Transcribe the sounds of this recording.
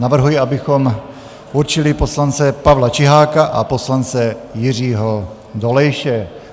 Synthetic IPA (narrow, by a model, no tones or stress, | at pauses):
navr̩ɦujiabɪxom | uɾt͡ʃɪlɪposlant͡sɛpavlat͡ʃɪɦaːkaʔaposlant͡sɛjɪr̝iːɦo | d̪olɛjʃɛ